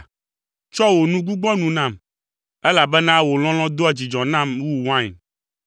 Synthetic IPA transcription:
t͡ʃɔ˦wo˨nũ˦ɡu˦ɡ͡bɔ̃˦nũ˨nã˦˨m | ɛ˦la˨bɛ˦nã˦wo˨l̃ɔ̃˦l̃ɔ̃˦d̪o˦a˨d͡ʑi˨d͡ʒɔ̃˨nã˦˨mwu˦wã˦˨

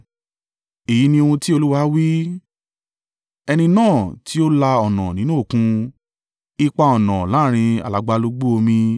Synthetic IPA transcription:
e˨ji˨˦nĩ˧o˧ũ˧ti˦o˧lu˦wa˦wi˦ | ɛ˧nĩ˧nãː˦˨ti˨˦o˦la˧ɔ˨nã̰˨nĩ˨˦nũ˦o˦˨kũ˧ | i˧k͡pa˧ɔ˨nã˨lãː˨˦˨ɾ̃ĩ˧a̰˨la˨˦ɡ͡ba˧lo˧˦ɡ͡bo˦o˧mĩ˧

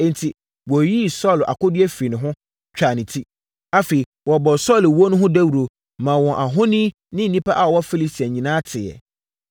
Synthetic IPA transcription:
ɛ̃˦n̩˨tʰi˨ | wɔ˨ji˦sɔ˦˨lʔa̰˨kʊ˦dɪ˦ɛ˦fi˨nɪ̃˨ɦʊ̃˦ | t͡ɕᶣa˨nɪ̃˨tʰi˦ | a˦fe˨i˨ | wɔ˨bɔ˨sɔ˦˨lwo˦nʊ̃˦ɦʊ̃˦dæ˦wu˨ɾo˨ | mã˨wɔ̃˨ʔa˨ɦʊ̃˦nĩ˦ | nɪ̃˦n̩˨nĩ˦pʰa˦ʔa˨ɔ˨wɔ˦fi˦li˦si˨a˨ɲĩ˨nãː˦tʰɪ˨ɛ̰˨

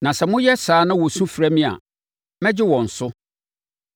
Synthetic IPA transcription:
nã˨sɛ˨mʊ̃˦jɛ˦saː˨˦nã˦wɔ˨sũ˦fɾæ˦mĩ˦a̰˨ | mɛ̃˦d͡ʑɪ˦wɔ̃˨n̩˨sʊ˦

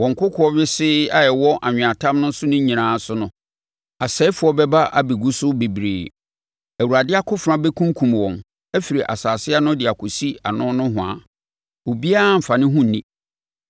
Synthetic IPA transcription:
wɔ˨ŋ˨kʊ˦kʰʊ˨ɔ˦ɥɪ˦sɪ˦a˦jɛ˨wɔ˦ʔa˨ɲᶣɪ̃˨a˨tʰã˦mnʊ̃˦n˦sʊ˦nʊ̃˦ɲĩ˨nãː˨˦sʊ˦nʊ̃˦ | a˨sɛ˨˦fʊ˨˦ɔ˦bɛ˦ba˦ʔa̰˨bi˨ɡu˦sʊ˦be˨bɾḛː˨ | æ˨wu˨ɾa˨dɪ˦a˦kʰʊ˦fã˦bɛ˦kʰũ˦ŋ˦kʰũ˨mwɔ̃˨m | ɛ˦fi˨ɾi˨ʔa̰˨saː˨sɪ˦a˦nʊ̃˦dɪ˨a˨kʰʊ˨si˦a̰˨nʊ̃˦nʊ̃˦ɦʊ̃˨a̰˨ | o˨bi˦a˦m̩˨fa˨nɪ̃˦ɦũ˦n̩˨nĩ˦

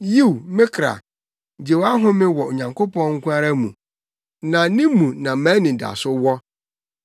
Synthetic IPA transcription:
ji˦˨wmɪ̃˦kʰɾa̰˨ | d͡ʑe˨wa˦ɦʊ̃˦mɪ̃˦wɔ˨o˨ɲã˨ŋkʰo˦pɔ̃˦nŋ̩˦kʷʰũ˦a˦ɾa˦mũ˨ | nã˨nɪ̃˦mũ˨nã˨mãː˨˦nĩ˨da̰˨sʊ˦wɔ˦

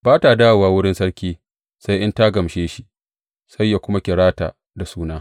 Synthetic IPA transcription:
baː˦ta˨daː˦˨waː˨wʊ˦ɽɪ˦nsɐ˦ɽkʲiː˦ | sa˦jʔɪ˦nta˦ɡɐ˨mʃeː˦ʃi˨ʔ | sa˦jːa˨kʷʊ˦ma˦kʲɪ˨ɽaː˦ta̰ː˨ | da˨suː˦naː˦

